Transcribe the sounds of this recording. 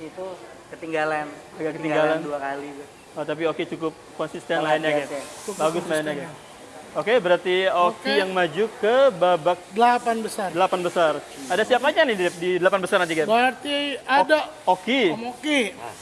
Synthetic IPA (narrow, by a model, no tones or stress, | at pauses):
it̪u | kət̪iŋɡalan | aɡakət̪iŋɡɡalanduakaliba | ɔt̪ap̬iokit͡ʃukʊp̚kɔnsist̪ɛnlaɪnjaɡɪtbaɡʊslaɪnjaɡɛ | okebəɾart̪iokijaŋmad͡ʒukəbabak̚dlapanbəsardəlapanbəsaradasiapaɲanɪddidəlapanbəsarnant̪ikaəart̪iadaokioki